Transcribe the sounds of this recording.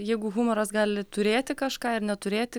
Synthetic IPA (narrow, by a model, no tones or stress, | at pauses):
jɛɪɡʊɣʊmɔɾɐsɡɑːlʲɪt̪ʊɾʲeːt̪ʲɪkɐʃkɑːɪrnʲɛt̪ʊɾʲeːt̪ʲɪ